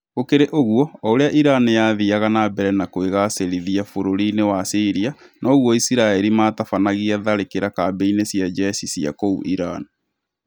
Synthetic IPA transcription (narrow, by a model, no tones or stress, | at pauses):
okeɾeʔoɣwɔɔoɾeaʔiɾanijaðiaɣanabɛɾɛnakweɣaseɾiðiafoɾoɾinewasiɾianʔɔːɣwɔisiɾaeɾimaːtafanaɣiɛðaɾekeɾakaːbeinesiad͡ʒɛsisia̰koṵʔiɾani